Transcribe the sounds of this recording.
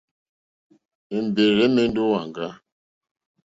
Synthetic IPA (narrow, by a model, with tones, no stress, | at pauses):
e˨m̩˨be˨ɣɛ˦me˦n̩˦do˦wa˨ŋɡa˦